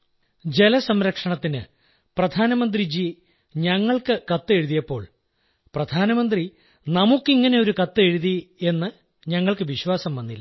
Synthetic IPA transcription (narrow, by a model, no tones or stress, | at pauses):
d͡ʑe̞lɐsɐmɾɐkʂɐɳɐt̪ːinɨ | prɐd̪ʱaːnɐmɐnd̪rid͡ʑi | ɲɐŋːɐɭkɨkɐt̪ːɨe̞ɻuðijɐpːo̞̰ːɭ | prɐd̪ʱaːnɐmɐnd̪ri | nɐmukːiŋːɐne̞o̞ɾukɐt̪ːɨe̞ɻuðie̞nːɨ | ɲɐŋːɐɭkɨʋiɕʋaːsɐmʋɐnːilːɐ